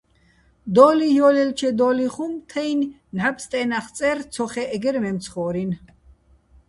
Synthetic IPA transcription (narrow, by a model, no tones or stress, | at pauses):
d̪ɔːlijɔlɛlt͡ʃʰɛd̪ɔːliχumt̪ʰɛjn | nhapst̪ʼɛnaχt͡sʼɛɾt͡sʰɔχɛʔːɡɛɾmɛmt͡sʰχɔːɾin